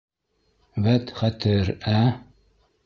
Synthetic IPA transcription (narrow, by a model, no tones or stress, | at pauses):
βæt̪χæt̪ɘɾæ